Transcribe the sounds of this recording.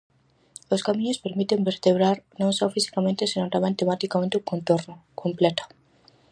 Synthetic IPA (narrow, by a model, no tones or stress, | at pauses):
oskamĩɲospeɾmit̪embeɾt̪eβɾaɾnõŋsɔfisi̥kamẽnt̪esenõnt̪ãmẽŋt̪emãt̪ikamẽnt̪eukont̪oɾnʊkʰomplɛt̪o̥